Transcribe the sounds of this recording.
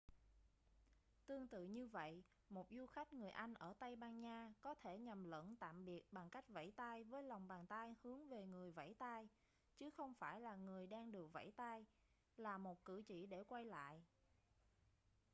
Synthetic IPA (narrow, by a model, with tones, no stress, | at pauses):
t̪ɨ˧əŋt̪ɨ̰˧˨ɲɨ˧və̰˧˨j | mo˨˩t̚zu˧xa˦˥jk̟̚ŋɨ˨˩əjʔa˧jŋ̟ʔəː˧˩t̪a˧jɓaː˧ŋɲaː˧kɔ˨˦t̪ʰe˧˩ɲa˨˩mlə̰˧˥nt̪a̰ː˧˨mɓi˨˩ət̚ɓa˨˩ŋka˦˥jk̟̚va̰˧˥jt̪aː˧jvəː˨˦jla˨˩wŋ͡mɓaː˨˩nt̪aː˧jhɨ˨˦əŋve˨˩ŋɨ˨˩əjva̰˧˥jt̪aː˧j | t͡ɕɨ˨˦xə˧wŋ͡mfaː˧˩jlaː˨˩ŋɨ˨˩əjɗaː˧ŋɗɨ˨˩ək̚va̰˧˥jt̪aː˧j | laː˨˩mo˨˩t̚kɨ̰˧˩t͡ɕḭ˧˩˨ɗe˧˩kwa˧jla̰ː˧˨jʔ